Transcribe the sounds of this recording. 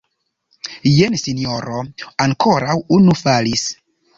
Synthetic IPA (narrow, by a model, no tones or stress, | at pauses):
jensinoɾoaŋkoɾawunufalis